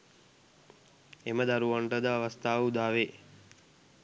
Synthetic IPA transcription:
eməd̪aɾuʋaɳʈəd̪əaʋast̪aːʋəud̪aːʋe

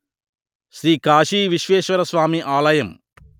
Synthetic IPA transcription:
ʃɾiːkaːʃiːʋiʃʋeːʃʋɐɾɐsʋaːmiʔaːlɐjɐm

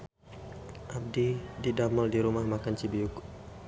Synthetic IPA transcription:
ʔab̚dididamɔldiɾumahmakant͡ʃibiuk

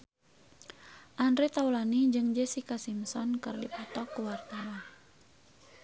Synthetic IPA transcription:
ʔandɾet̪aulanid͡ʒɨŋd͡ʒesikasimsɔnkɨrdipɔt̪ɔkuwart̪awa

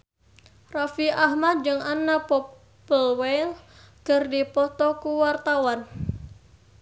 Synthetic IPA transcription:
rafiaɦmad̪̚d͡ʒɨŋanapɔ | pəlwɛl | kərdipɔt̪ɔkuwart̪awan

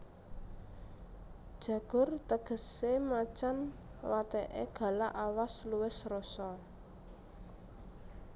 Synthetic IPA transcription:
d̥ʒ̥ä̤ɡ̥ʊ̤rt̪əɡ̥ə̤semat͡ʃanwat̪ɛʔḛɡ̥ä̤laʔawasluwɪsrosɔ

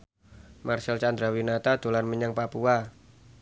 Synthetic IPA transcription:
marsɛlt͡ʃand̪ɾawinat̪ad̪̥o̤lanməɲaŋpapua

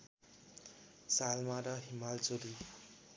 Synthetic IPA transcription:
salmaɾʌɦimalt͡soɾi

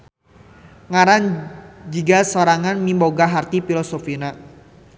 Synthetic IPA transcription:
ŋaɾand͡ʒiɡasoɾaŋanmimboɡaɦart̪ifilɔsofina

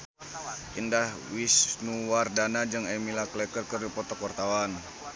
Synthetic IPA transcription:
ʔindahwisnuwardanad͡ʒəŋɛmilaklɛkərkərdipɔt̪ɔkwart̪awan

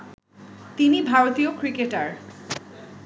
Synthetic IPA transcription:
t̪inibʱaɾot̪iokɾikeʈaɾ

